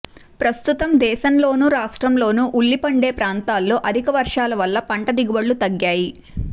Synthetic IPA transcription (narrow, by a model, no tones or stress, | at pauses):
pɾɐst̪ut̪ɐmd̪ɛːʃɐmlo̞ːnuːɾaːʂʈɾɐmlo̞ːnuːʔulːipɐɳɖe̞ːpɾaːnt̪aːlːo̞ːʔɐd̪ʱikɐʋɐɾʂaːlɐʋɐlːɐpɐɳʈɐd̪iɡuʋɐɭːut̪ɐɡjaːji